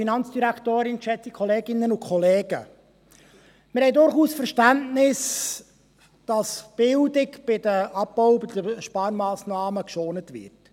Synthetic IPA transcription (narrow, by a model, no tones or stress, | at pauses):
finɑnt͡sd̥iɾæktoːɾɪnʃɛt͡sikʰɔleːɡɪnːənʊkʰχɔleːɡ̥ə̰ | mɪɾhɛɪjdʊɾχuːsfɛɾʃtæntnɪs | d̥ɑsb̥ɪldɪkb̥ɪdəʔɑbɔʊbɪd̥əʃpɑːɾmɑːsnɑːməkʃoːnətvɪ̰rt